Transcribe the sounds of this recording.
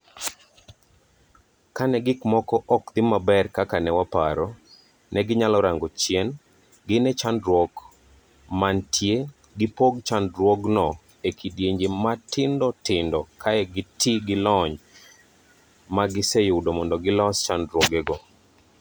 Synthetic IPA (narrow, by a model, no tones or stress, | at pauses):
kanɛɡɪkmɔkɔʔɔkd̪ɪmabɛrkakanɛwapa̰ɾɔ | nɛɡɪɲalɔɾaŋɡɔt͡ʃjɛn | ɡɪnɛt͡ʃandɾwɔk | mantʰje | ɡɪpoɡt͡ʃandɾwɔɡnɔ | ekʰidjeɲd͡ʒematɪndɔtɪndɔkʰaɛɡɪtiɡɪlɔɲ | maɡɪsɛjʊdomɔndɔɡɪlɔst͡ʃandɾwɔɡɛɡɔ